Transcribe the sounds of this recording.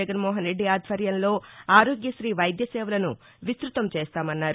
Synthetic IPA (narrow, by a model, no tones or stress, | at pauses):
ɛɡɐnmɔːɦɐnɾe̞ɖːiaːd̪ʱʋɐɾjɐnlo̞ːaːɾoːɡjɐʃɾiːʋɐjd̪jɐsɛːʋɐlɐnu | ʋist̪ɾut̪ɐmt͡ʃeːst̪aːmɐnːaːɾu